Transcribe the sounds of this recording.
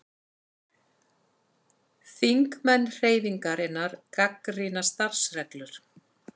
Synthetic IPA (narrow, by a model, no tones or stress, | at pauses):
θiŋkmɛnːr̥eːjðiŋkaɾɪnːaɾ̥kakrinast̪ar̥srɛklʏɾ̥